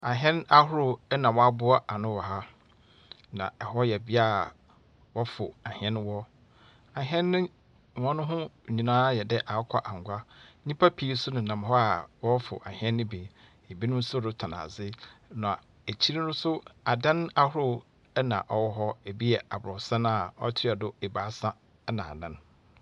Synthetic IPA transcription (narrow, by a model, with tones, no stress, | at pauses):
a˨ɦɛ̃˦na˦hʊ˦ɾʊ˦ɛ˦nã˨wɔ˦a˦bʊ˦a˦ʔa˨nʊ̃˦wɔ˨ɦa˦ | nã̰˨ɛ˨hɔ˦jɛ˨bi˦a˦˨ | wɔ˦fʊ̰˨a˨hɛ̃˦n˦wɔ˦ | a˨ɦɛ̃˦nːɪ̃˦˨ | wɔ̃˦nʊ̃˦ɦʊ̃˦˨ɲĩ˨nãː˦jɛ˨dɛ˦ʔa˨˦kʰɔ˦ʔa˨ŋ˨ɡʷa˦ɲĩ˦pʰa˦pʰi˨˦sʊ˦nʊ̃˨nã˨m˨ɦɔ˦a˨wɔ˦wɔ˦fʊ̰˨ʔa˨hɛ̃˦nːʊ̃˦bi˨ | ɛ˨bi˦nʊ̃˦m˦sʊ˦dʊ˦tʰa˨na̰˨zɪ˦nã˨a˨ | e˨t͡ɕʰi˦ɾi˦nʊ̃˦sʊ˦a̰˨dã˦na˦hʊ˦ʊ˦ | ɛ˦nã̰˨ʔɔ˦wɔ˦ɦɔ˦e˨bi˦ɛ˨a˨bʊ˨ɾɔ˨sã˦n˦a˦˨ɔ˦tʰɪ˦a˨dʊ˦e˨baː˨˦sã˦ | ɛ˦nã˨a̰˨dã˦n